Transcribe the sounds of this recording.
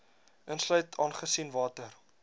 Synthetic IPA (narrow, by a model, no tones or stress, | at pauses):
ʔənslœɥtʰɑːnχəsinvɑːtər